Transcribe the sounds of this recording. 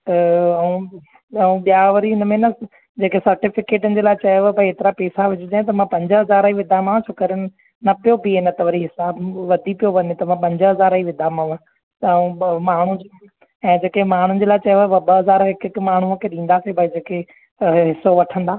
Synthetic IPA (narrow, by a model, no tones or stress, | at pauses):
t̪ɐɐũ | ɐũɓijaʋɐɾiɦɪnə̆mẽnɐ | d͡ʑeːkesɐɾʈɪfɪkeːʈənɪ̆d͡ʑeːlaːɪt͡ɕɐjoʋbʱaieːt̪ɪɾapeːsaʋɪd͡ʑʊd͡ʑãːẽt̪̬ɐmãpɐ̃ɲd͡ʑəɦɐzaːɾəiʋɪd̪ʱamãːt͡ɕʰoːkɐɾɪn | nɐpijobiɪnət̪ɐʋɐɾiɦɪsaːbʋɐd̪ʱipijoʋɐɲet̪ɐmãpɐ̃ɲd͡ʑəɦɐzaːɾaiʋɪd̪ʱamãʋã | t̪ɐũmaːɳ̤ũd͡ʑ | ɛ̃ːd͡ʑeːkemaːɳ̤ũnd͡ʑeːlaɪt͡ɕɐjoʋbɐɓɐɦɐzaːɾɦɪkɪkmaːɳ̤uəkʰeːɗĩːn̆d̪aːsebʱaid͡ʑeːke | ɦɪsoʋɐʈʰə̃nd̪aː